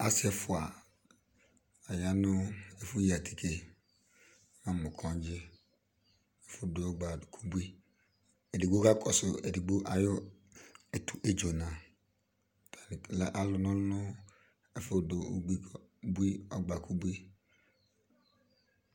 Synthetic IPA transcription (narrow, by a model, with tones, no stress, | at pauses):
a˦sɪ˦ɛ˨fʊ˨a˨ | a˨ja˦nʊ˦e˨fʊ˦ji˨a˨tʰi̥˨kʰe˨˦ | nã˦mʊ˨kʰɔ̃˨˦d͡ʒɪ˦ | ɛ˨fʊ˦dʊ˨ɔ˦ɡ͡ba˨kʰu˦bu˦i˦ | e˨di˨ɡ͡bo˦ka˦kʰɔ˨sʊ˨ɛ˨di˨ɡ͡bo˦ʔa˨jʊ˦ | ɛ˨tu˨ʔe˦d͡ʒo˨nã˨ | tʰa˨la˦ʔa˨lʊ˨nʊ̃˦nʊ˦ | ɛ˨fʊ˦dʊ˨o˦ɡ͡bi˦˨˦bu˦i˦ɔ˦ɡ͡ba˨ku˦bi˦